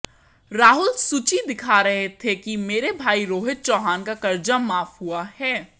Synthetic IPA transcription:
ɾaːɦʊlsuːt͡ʃid̪ɪkʰaɾɐɦet̪ʰekimeːɾebʱaːiɾoːɦɪt̪̚t͡ʃɔːɦaːnkakɐɾd͡ʒamaːfɦuahɛː

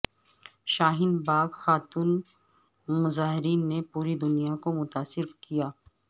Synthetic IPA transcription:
ʃaːɦɪnbaːɡxaːt̪uːn | mʊzaːɦɪɾiːnːepuːɾid̪ʊnijakomʊt̪aːsɪɾkijaː

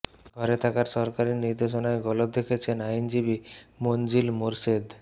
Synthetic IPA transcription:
ɡʱɔɾet̪ʰakaɾʃɔɾkaɾiniɾd̪eʃonaeɡɔlob̚d̪ekʰet͡ɕʰenajnd͡ʑibimond͡ʑilmoɾsed̪

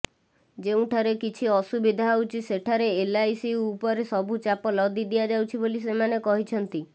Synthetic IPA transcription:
d͡ʒeũʈʰaɾekit͡ʃʰiɔsubid̪ʱaɦawt͡ʃʰiseʈʰaɾeːlajsiupɔɾesɔbʱut͡ʃapɔlɔd̪id̪iad͡ʒawt͡ʃʰibolis̬emanekɔɦit͡ʃʰɔnt̪i

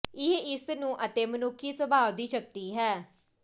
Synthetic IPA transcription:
ɪɦeɪsnũːʔət̪eːmənʊkʰːiːsəbʱaːʋd̪iːʃəkt̪iːɦɛː

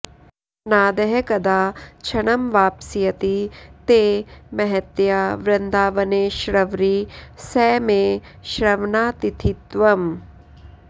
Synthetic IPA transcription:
naːd̪ɐɦɐkɐd̪aːt͡ʃʰɐɳɐmʋaːpsijɐt̪it̪eːmɐɦɐt̪jaʋɾɐnd̪aːʋɐneːʃɾɐʋɾisɛːmeː | ʃɾɐʋnaːt̪it̪ʰit̪ʋɐm

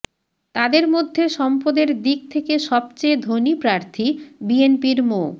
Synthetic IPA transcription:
t̪ad̪eɾmod̪ʱːeʃɔmpod̪eɾd̪ik̚t̪ʰekeʃɔb̚t͡ɕejd̪ʱonipɾaɾt̪ʰibienpiɾmo

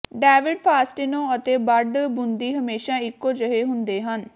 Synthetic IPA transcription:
ɖɛːʋɪɖpʰaːsʈɪnõːət̪eːbəɖbʊnd̪iːɦəmeːʃaːɪkːoːd͡ʒəɦeːɦʊnd̪eːɦən

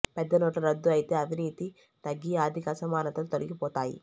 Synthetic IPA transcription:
pɛd̪ːɐnoːʈlɐɾɐd̪ːuɐjit̪e̞ːɐʋʱiniːt̪i | t̪ɐɡːiaːd̪ʱikɐsɐmaːnɐt̪ɐlut̪oliɡipɔːt̪aːjḭ

